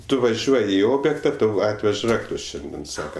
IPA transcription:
ˈtʊ ʋɐˈʒʲuɔj ɪ ˈoːbʲjeːktɐ ˈtɐʊ ˈɑːtʲʋʲɛʃ ˈrɑːktʊs ˈʃʲɛnʲdʲiɛn ˈsɑːkɐ

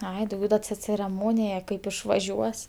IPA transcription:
ˈɐɪ dɐʊˈɡʲɛʊ dɐ t͡sʲɛ t͡sʲɛrʲɛˈmoːnʲɪjɛ kɐɪp ɪʃʋɐˈʒʲuɔs

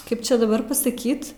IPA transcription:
ˈkɐɪp ˈt͡ʃʲɛ dɐˈbɐr pɐsɐˈkʲiːt

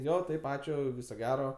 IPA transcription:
ˈjoː ˈtɐɪp ˈɑːt͡ʃʲʊ ˈʋʲɪsoː ˈɡʲæːroː

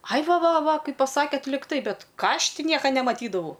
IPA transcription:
ɐɪ ˈʋɐ ˈʋɐ ˈʋɑːˈkɐɪp pɐˈsɑːkʲeːt lʲɪkˈtɐɪ ˈbʲɛt ˈkɑː ˈɐʃ ˈtʲɪ ˈnʲiɛkɐ nʲɛmɐˈtʲiːdɐʋɐʊ

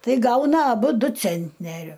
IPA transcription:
ˈtɐɪ ˈɡɐʊnɐ ɐˈbʊ ˈdʊ ˈt͡sʲɛnʲtʲnʲɛrʲʊ

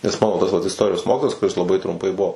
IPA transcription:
nʲɛs ˈmɑːnoː tɐs ʋɐt ɪsˈtoːrʲɪjoːs ˈmoːkʲɪtoːjɛs kʊˈrʲɪs lˠɐˈbɐɪ trʊmˈpɐɪ ˈbuɔ

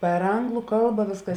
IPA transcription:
pʲɛr ˈɐŋɡlˠʊ ˈkɐlˠbɐ ˈʋʲeːsˌkɐs

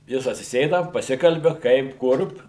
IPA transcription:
ˈjɪs ɐtʲsʲɪˈsʲeːdɐ pɐˈsʲɪkɐlʲbʲɪ ˈkɐɪp ˈkʊr

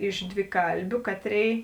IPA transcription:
ɪʃ dʲʋʲɪˈkɐlʲbʲʊ ˈkɑːˌtʲrʲeːɪ

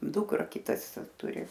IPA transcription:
ˈdʊkrɐ ˈkʲɪtɐs ˈtʊrʲɪ

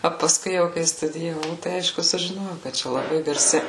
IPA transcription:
oː pɐˈskʊɪ jɛʊ kɐɪ stʊdʲɪjɛˈʋɐʊ tɐɪ ˈɐɪʃkʊ sʊʒʲɪˈnoːjɛʊ kɐt ˈt͡ʃʲɛ lˠɐˈbɐɪ ɡɐrʲˈsʲɪ

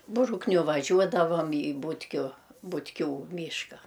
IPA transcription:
ˈbrʊknʲʊ ʋɐˈʒʲuɔdɐʋɐm iː ˈbuːtʲkʲʊ bʊtʲˈkʲuː ˈmʲiːʃkɐ

